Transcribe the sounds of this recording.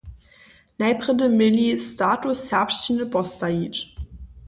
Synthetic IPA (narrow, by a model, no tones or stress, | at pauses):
naɪpʁədəmɪlistaːtʊshɛɐpʃtənəbɔstait͡ʃ